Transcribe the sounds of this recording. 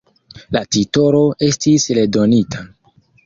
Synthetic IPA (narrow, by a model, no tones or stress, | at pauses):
latito̞ɾo̞ʔe̞stisle̞do̞nitʰa